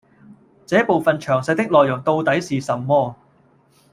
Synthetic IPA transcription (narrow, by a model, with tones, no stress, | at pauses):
t͡sɛː˨˥po˨wfɐ˨nt͡ʃʰœː˨˩ŋsɐ˧jt̪ɪ˥k̚lɔː˨˩jːʊ˨˩ŋt̪o˧wt̪ɐ˨˥jsiː˨sɐ˨˩mmɔː˥